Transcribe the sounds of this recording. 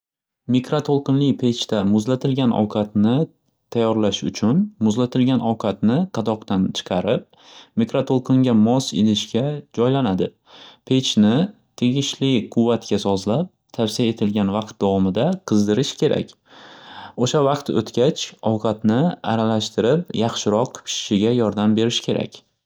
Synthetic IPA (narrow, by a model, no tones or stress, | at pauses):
mikɾat̪ʰolˠqɨnlɪjpʰe̞t͡ʃʰt̪amʊzlat̪ʰɪlɡʲanɒ̰wqʰɑt̪nɪ | t̪ʰajːɒɾlaʃʊ̰t͡ʃʰʊnmʊzlat̪ʰɪlɡʲanɒwqʰɑt̪nɪqʰɑd̪ɒqt̪ant͡ʃʰɨ̥qʰɑɾɪp̚ | mikɾat̪ʰolˠqʰɨŋɡʲamɒselɪʃkʲad͡ʒɒjlanad̪ɪ | pʰe̞t͡ʃʰnɪ | t̪ʰe̞ɡʲɪʃlɪqʰʊvːat̪kʲasɒzlap̚t̪ʰafsiae̞t̪ʰɪlɡʲanvɑq̚t̪̚d̪avɒmɪd̪aqʰɨzd̪ɪɾɪʃkʲʰe̞ɾa̰kʲ | oʃavɑqt̪o̰t̪kʲat͡ʃɒwqʰɑt̪nɪa̰ɾalaʃt̪ɪɾɪpjɑχʃɪɾɒqpʰɪ̥ʃɪɡʲajɒɾd̪ambe̞ɾɪʃkʲʰe̞ɾʔa̰kʲ